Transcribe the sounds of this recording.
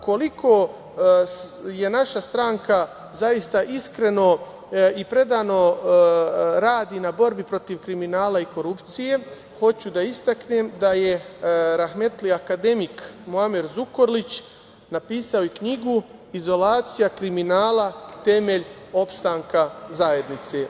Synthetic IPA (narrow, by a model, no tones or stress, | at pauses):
ko̞likʰo̞ | je̞naʃast̪ɾaːŋka | zajist̪aʔiskɾe̞no̞ | ipɾe̞d̪aːno̞ | ɾaːd̪inabo̞ɾbipɾo̞t̪iʋkɾiminaːlaiko̞ɾupt̪sije̞ | ho̞t͡ɕud̪aist̪akneːmd̪aje̞ɾaxme̞t̪liakad̪e̞mikmoameɾzuko̞ɾlit͡ɕ | napiːsao̞jekɲiɡu | izo̞laːt̪sijakɾiminaːlat̪e̞meʎ | o̞pst̪aŋkazaje̞d̪nit̪se̞ː